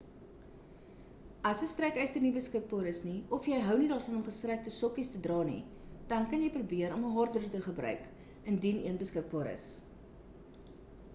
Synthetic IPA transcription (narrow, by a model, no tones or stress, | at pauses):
ɐsəstrɛkɛjstərnibəskək̚bɑːɾəsniɔfjɛjɦœwnidɑːrfɐnɔmχəstrɛk̚tɔsɔkistədrɑːnḭ | d̥ɐnkɐnjɛjprubiəɾɔməɦɑːrdərtəχəbɾœ̰ɥk | əndiniənbəskək̚bɑːɾʔə̰s